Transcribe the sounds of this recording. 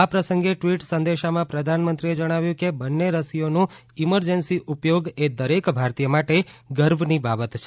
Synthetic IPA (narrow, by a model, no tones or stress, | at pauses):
apɾəsə̃ŋɡeʈʋiʈsə̃nd̪eʃamãpɾəd̪ʱanmənt̪ɾied͡ʒəɽ̃aʋjũkebənːeɾəsionũ | iməɾd͡ʒənsiʔupjoɡed̪əɾekbʱaɾt̪ijəmaʈeɡəɾbnibabət̪t͡ʃʰe